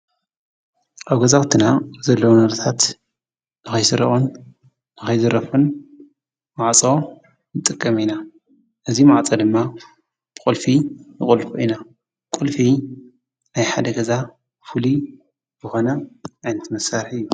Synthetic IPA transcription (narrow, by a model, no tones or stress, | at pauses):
ʔaβɡɐzawt̪ʰɨnazɐlːɐwnɐɾt̪ʰat̪ | nɨxɐjsɨɾɐʔʼun | nɨxɐjzɨɾɐfun | maʕt͡sʼo̞ | nɨt̪ʼɨkʼːɐmina | ʔɨzimaʕt͡sʼɐd̪ɨmːa | b̥ɨkʼulfinɨχʼulfuʔina | kʼulfi | najħad̪ɐɡɐza | fɨli | bɨxo̞nɐajnɐt̪ʰmɐsaɾħɨjːu